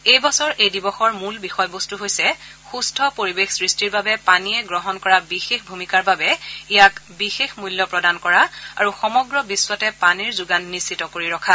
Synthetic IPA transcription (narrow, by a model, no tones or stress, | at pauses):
ejbɔsɔɹʔejdibɔxɔɹmulbixɔjbostuɦojsɛ | xustʰɔpoɹibexsɹistiɹbabɛpaniɛɡɹɔɦɔnkɔɹabixexbʱumikaɹbabɛijakbixexmuljɔpɹɔdankɔɹaaɹuxɔmɔɡɹɔbiswatɛpaniɹzuɡanːisitɔkoɹiɹɔkʰa